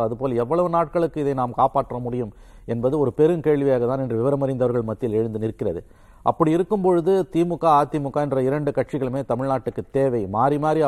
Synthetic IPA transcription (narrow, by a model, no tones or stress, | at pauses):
ɐðɯpoːlɐɛʋːɐɭɐʋɯnaːʈ̚kɐɭɯkːɯɪðɐɪnaːmkaːpaːʈːrɐmʊɽɪjɯm | ɛnbɐðɯɔɾɯpɛɾɯmkeːɻʋɪjaːɣɐt̪aːnɛndrɯʋɪʋɐɾɐmɐɾɐɪnd̪ɐʋɐɾɣɐɭmɐt̪ːɪlɛɻɯnd̪ɯnɪɾɯkːɪrɐðɯ | ʔɐ̰pːɐɽiɪɾɯkːɯmpɔɻɯðɯt̪iːmʊkːaːaːt̪ːimʊkːaːɛndrɐɪɾɐɳɖɯkɐʈ̚t͡ʃɪɣɐɭɯmeːt̪ɐmɪɻnaːʈːɯkːɯt̪ːeːʋɐɪmaːɾimaːɾi